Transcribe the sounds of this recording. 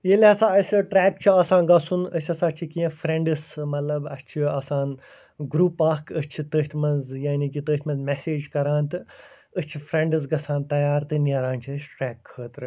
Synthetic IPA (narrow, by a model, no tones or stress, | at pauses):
jelɐsãːɐsʲɐʈɾɛːk̚t͡ʃʰiɐːsãːnɡɐsunəsʲɐsaːt͡ʃʰikijɐ̃fɾẽɳɖɨsmɐt̪lɐbɐst͡ʃʰiɐːsãːn | ɡɾuːpaːkʰəst͡ʃʰit̪əːɦʲt̪ʰmɐnzjaːnikit̪əːt̪ʲmɐ̃nzmeseːd͡ʒkɐɾãːnt̪ɨ | əst͡ʃʰifɾẽɳɖɨs̬ɡɐsãːnt̪ɐjaːɾt̪ɨnʲɐɾãːnʲt͡ʃʰiəsʲʈɾɛːkʰːəːt̪ɾɨ